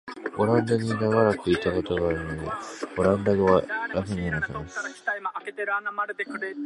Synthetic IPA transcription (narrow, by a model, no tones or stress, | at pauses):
o̞ɾãnd̪aɡiɡ̪aɡaɾakɯ̟it̪ako̞t̪o̞ɡaːɾɯnod̪ḛo̞ɾãnd̪aɡɯβaɾakɯɲianaɕamasɾkʲi̥t̪aimaʔaket̪eɾɯanamaɾɯd̪ekɯɾe